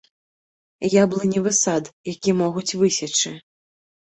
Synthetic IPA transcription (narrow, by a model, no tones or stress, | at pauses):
jablˠɨnʲɛvɨsad̪jakʲimɔɣut͡sʲvɨsʲat͡ʂɨ